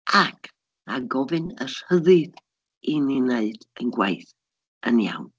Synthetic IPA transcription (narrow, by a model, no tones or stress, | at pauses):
akʰ | aɡɔvɨnər̥həðɨd | inineɨd̥ənɡwḛjθ | ənja̰wn